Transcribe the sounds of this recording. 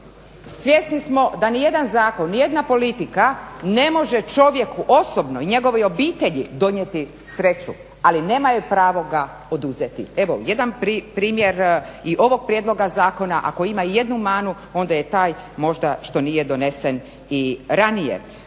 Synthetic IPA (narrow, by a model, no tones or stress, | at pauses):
sʋje̞snismo̞d̪anije̞d̪anzaːko̞nːije̞d̪napo̞lit̪ikane̞mo̞ʒet͡ʃo̞ʋje̞kuʔo̞sobnoiɲe̞ɡo̞ʋojo̞biːt̪e̞ʎid̪o̞ɲjet̪i | sɾe̞t͡ɕu | aline̞ːmajupɾaːʋo̞ɡa | o̞d̪uzet̪ḭe̞ʋo̰je̞d̪anpɾipɾiːmje̞ɾiʔo̞ʋo̞ɡ̚pɾjed̪lˠo̞ɡazaːko̞naʔa̰ko̞imaje̞d̪numaːnu | o̞nd̪aje̞t̪aːjmo̞ʒd̪aʃt̪o̞nijed̪o̞ne̞sen | iɾanijḛ